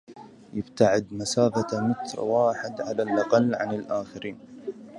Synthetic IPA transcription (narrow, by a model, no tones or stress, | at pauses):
jɪbt̪aʕɪd̪masaːfamɪt̪ɾwaːħɪd̪ʕalalʔɑqɑlːʕa̰nɪlʔaːxaɾiːn